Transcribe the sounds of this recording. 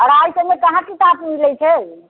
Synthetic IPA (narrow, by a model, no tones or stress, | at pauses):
ɔɾajsəbmekəɦãkit̪ap̪milɛt͡ʃʰɛ